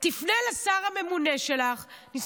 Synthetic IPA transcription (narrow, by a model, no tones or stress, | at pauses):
t̪ifnelasaʁame̞mune̞ʃe̞laχnis